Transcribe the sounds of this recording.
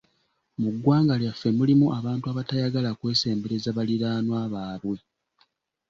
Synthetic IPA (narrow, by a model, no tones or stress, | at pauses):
muɡːwaːŋɡaljafːe̞mulimuʔaβaːntuaβatajaɡalakwe̞ːse̞ːmbe̞ɾe̞zaβaliɾaːnwaːβaːβwe̞